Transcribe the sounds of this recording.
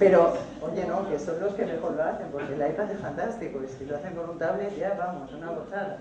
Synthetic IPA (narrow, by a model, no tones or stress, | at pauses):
pe̞ɾo̞ | o̞ʝe̞no̞keso̞nlo̞skeme̞xo̞ɾloaθe̞mpo̞ɾkelaepaðefant̪ast̪ikoisiloaθe̞ŋko̞nunt̪aβle̞ʝaβamo̞sunaβoθaða